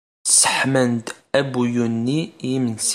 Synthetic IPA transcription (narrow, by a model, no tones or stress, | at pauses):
sə̥ħmənd̪ | æbujunːijiməns